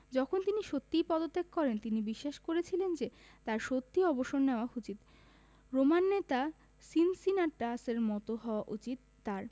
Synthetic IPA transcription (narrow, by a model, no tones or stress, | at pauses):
d͡ʑɔkʰont̪iniʃot̪ːijpɔd̪ot̪ːekkɔɾent̪inibiʃːaʃkoɾet͡ɕʰilend͡ʑe | t̪aɾʃot̪ːiɔboʃoɾneoaut͡ɕit̪ | ɾomanːet̪a | sinsinaʈaseɾmɔt̪oɦɔoaʔut͡ɕit̪ːaɾ